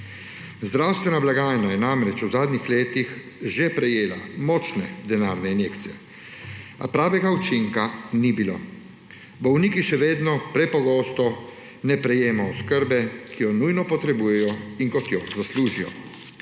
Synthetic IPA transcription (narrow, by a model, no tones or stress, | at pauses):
zd̪ɾawst̪ʋɛnablaɡaːjnajɛnamɾɛt͡ʃuzaːd̪nixleːt̪ix | ʒepɾɛjeːlamɔːt͡ʃnɛd̪ɛnaːɾnɛinjeːkt̪sijɛ | a̰pɾaːʋɛɡaut͡ʃiŋkanibilo̰ː | bɔwniːkiʃɛʋeːd̪nɔpɾɛpɔɡɔːst̪ɔ | nɛpɾɛjeːmɔɔskəɾbɛkʰijɔnujnɔpɔt̪ɾɛbuːjɛjɔiŋkɔt̪jɔzasluːʒijɔ̰